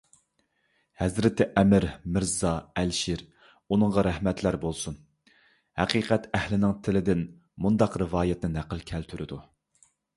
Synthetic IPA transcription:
hæzɾɪt̪ʰɪʔɛmɪɾmɪɾzɑælʃiɾ | unɨŋʁɑɾæhmɛt̪ʰlæɾbolˠsun | hæqiːqʰɛt̪ɛhlɪnɪŋt̪ʰɪlɪd̪ɪn | mund̪ɑqɾɨvɑːjɛt̪nɪnæqəlˠkʲʰælt̪ʰyɾɪd̪u

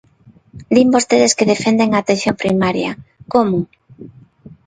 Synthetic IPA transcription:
d̪imbost̪eðeskeðefend̪eŋaːt̪ẽnθjompɾimaɾjɐ̰komʊ

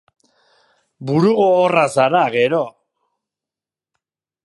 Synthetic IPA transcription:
buɾuɣoːrasaɾaɣe̞ɾo̞

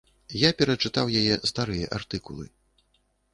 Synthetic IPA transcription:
japʲɛɾɐt͡ʂɨt̪awjajɛst̪aɾɨjɐʔart̪ɨkulˠɨ̰

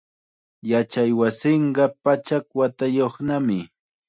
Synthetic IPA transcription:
jat͡ʃajwasɪɴɢɑpat͡ʃakwat̪ajoχnamɪ

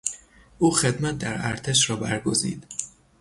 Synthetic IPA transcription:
ʔuːxed̪mæt̪̚d̪æɾæ̰ɾt̪ʰeʃɾɒːbæɾɡozḭːd̪̥

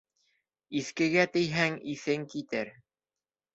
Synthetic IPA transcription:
iθkɘ̆ɡæt̪ɘ̆jɦæŋiθɘŋkit̪ɘɾ

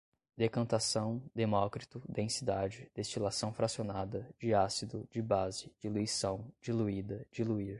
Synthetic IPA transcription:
d̪ekɐ̃nt̪asɐ̃w̃d̪emɔkɾit̪ʊd̪ẽsid̪ad͡ʒɪd̪̥est͡ʃilasɐ̃w̃fɾasionad̪ɐd͡ʒɪasid̪ʊd͡ʒɪbazɪd͡ʒiluisɐ̃w̃d͡ʒiluid̪ɐd͡ʒiluiɾ

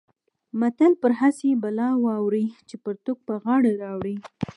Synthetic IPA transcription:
mat̪alpəɾɦasebalɑwɑwɾit͡ʃepəɾt̪ʊk̚pəɣɑɽaɾɑwɽi

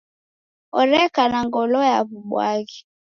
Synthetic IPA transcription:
ɔɾɛkanaŋɡɔlɔjaβuɓwa̰ɣi

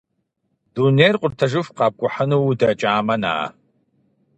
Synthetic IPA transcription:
d̥uneːrqʷʼʊrtʰɐʒɨfqɑːb̚kʷʼʊħənuwdɐt͡ʃʼaːmɐna̰ː

